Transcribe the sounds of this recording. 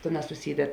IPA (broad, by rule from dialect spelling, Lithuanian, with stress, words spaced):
ˈtʲeːˌnɑːs sʊˈsʲiːdʲɛt